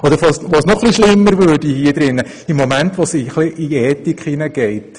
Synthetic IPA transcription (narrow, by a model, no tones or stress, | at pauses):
ɔd̪əɾʋosʋosnɔχliʃlɪmːəɾvøːdihiəd̪ɾɪnːə | ɪmːɔmæntʋosiχliʔiɛːtikχinəɡ̥ɛɪt